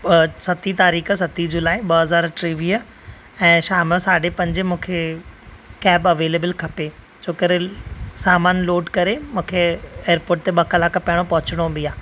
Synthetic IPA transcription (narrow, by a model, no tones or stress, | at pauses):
sɐt̪it̪aːɾiːksɐt̪id͡ʑʊlaːiɓɐɦɐzaːɾʈɾiːʋiə | ɛ̃ːʃaːməsaːɖepɐ̃ɲd͡ʑɪmũːkʰe | kɛːbɐʋeːleːbəlkʰɐpe | d͡ʑoːkɐɾesaːmaːnloːɖkɐɾemũːkʰeeːəɾpoːɾʈ̚t̪eɓɐkɐlaːkpɐɦɪɽ̃opɐɦʊt͡ɕɪɽ̃obiaː